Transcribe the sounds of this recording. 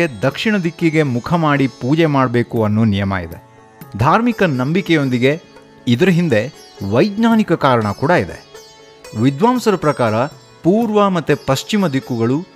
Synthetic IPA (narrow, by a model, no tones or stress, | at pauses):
ed̪ɐkʂiɳɐd̪ikːiɡe̞mukʰɐmaːɽipuːd͡ʒemaːɽbe̞ːkuɐnːunijɐma̰ːɡid̪e̞ | d̪ʱaːɾmikɐnɐmbikɛjo̞nd̪iɡe̞ | id̪ɐɾɐɦind̪e̞ | ʋɐjd̪naːnikɐkaːɾɐɳɐkuːɽaid̪e̞̰ | ʋid̪ʋaːmsɐɾɐpɾɐkaːɾɐ | puːɾʋɐmɐt̪ːepɐʃt͡ʃimɐd̪ikːuɡɐɭu